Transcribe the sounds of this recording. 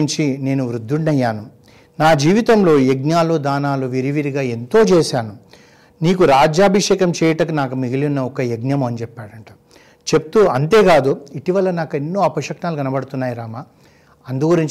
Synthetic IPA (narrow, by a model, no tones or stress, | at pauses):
ɲt͡ʃine̞ːnuʋɾud̪ʱːuɳnɐjːaːnu | naːd͡ʒiːʋit̪ɐmlo̞ːjeɡnjaːlud̪aːnaːluʋiɾiʋiɾiɡaːe̞nt̪o̞ːt͡ʃɛːsaːnu | niːkuɾaːd͡ʒjaːbʱiʂɛːkɐmt͡ʃɛːjɐʈɐkunaːkumiɡiliunːɐɔkɐjeɡnjɐmːɐnit͡ʃɛpːaːɽɐɳʈɐ̥ | t͡ʃe̞p̚t̪uɐnt̪e̞ːɡaːd̪uiʈiʋɐlɐnaːkenːo̞ːɐpɐʂɐknaːlukɐnɐbɐɽt̪unːaːjiɾaːma | ɐnd̪uɡuɾiɲt͡ʃ